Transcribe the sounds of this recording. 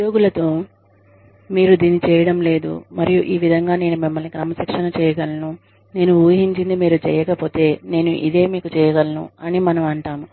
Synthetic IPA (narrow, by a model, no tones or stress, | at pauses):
ud̪joːɡulɐt̪o̞ː | miːɾud̪iːnit͡ʃɛːjɐɽɐmle̞ːd̪ṵmɐɾijuʔiːʋid̪ʱɐŋɡaːne̞ːnumimːɐlnikɾɐmɐsikʂɐnɐt͡ʃɛːjɐɡɐlɐnu | ne̞ːnuuːɦiɲt͡ʃind̪imiːɾut͡ʃɛ̰ːjɐkɐpo̞ːt̪e̞ːne̞ːnuʔḭd̪e̞ːmiːkut͡ʃɛːjɐɡɐlɐnṵɐnimɐnɐmɐɳʈaːmu